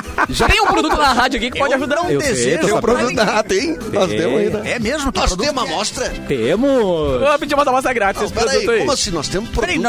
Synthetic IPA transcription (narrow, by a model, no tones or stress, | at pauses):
ʒat̪ẽj̃ũpɾod̪ut̪ʊnaɦad͡ʒʊkikɪpɔd͡ʒaʒud̪ãeesẽpɾod̪ut̪naat̪ẽj̃nɔst̪ẽmʊzɐinɛ̃ɛmezmʊnɔst̪ẽũmɐmɔst̪ɾɐt̪emʊoɐpĩd͡ʒimɔst̪ɾɐmɔst̪ɾɛɡɾat͡ʃɪẽsɪpɛɾodɾɐuit̪ʊimɐssɪnɔst̪ẽmʊspɾoɾ